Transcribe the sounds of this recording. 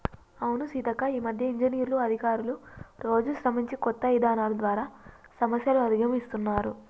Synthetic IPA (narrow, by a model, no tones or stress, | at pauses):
ɐwunusit̪ɐkɐiːmɐd̪ʱjɐiɲd͡ʒiniːɾuluɐd̪ʱikaːɾuluɾo̞ːd͡ʒusɾɐmiɲt͡ʃikɔt̪ːɐid̪aːnaːlɐd̪ʋaːɾaː | sɐmɐsjɐluɐd̪iɡɐmist̪unːaːɾṵ